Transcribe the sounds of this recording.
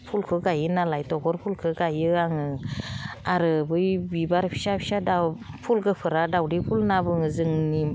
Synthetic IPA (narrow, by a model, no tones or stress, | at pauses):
pʰulkʰɯɡajɯnalajtɔɡɔɾpʰulkʰɯɡajɯaŋɯ | aɾɯbɯjbibaɾpʰi̥sapʰi̥sadapʰulɡɯpʰɯɾadawdipʰulnabɯŋɯzɯŋni